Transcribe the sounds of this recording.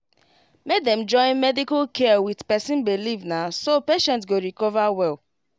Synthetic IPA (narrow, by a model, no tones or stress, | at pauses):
mek̚d̪ɛm̩d͡ʒɔ̃ɪ̃nmɛdikalkɛwidpɛsĩnbelivnasopeʃɛ̃ntsɡoɾikɔvawɛl